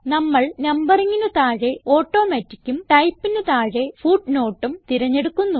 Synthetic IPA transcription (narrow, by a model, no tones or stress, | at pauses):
nɐmːɐɭnɐmbɐriŋːinut̪aːɻe̞o̞ːʈːo̞ːmetːikʲːumʈɐjpːinɨt̪aːɻe̞fuːɖno̞ːʈːumt̪iɾɐɲːe̞ɽukːunːu